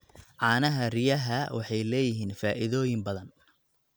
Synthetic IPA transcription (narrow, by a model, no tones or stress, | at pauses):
ʕɑːnɐɦɐrɪjɐɦɐwɑ̰ħɑjlɛːjɪɦiːnfaːʔɪðɔːjɪmbɐðɐn